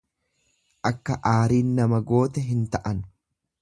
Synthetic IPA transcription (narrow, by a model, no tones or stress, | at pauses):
ʔɐkːɐʔaːɾiːnːɐmɐɡo̞ːt̪ɛɦɪnt̪ɐʔɐn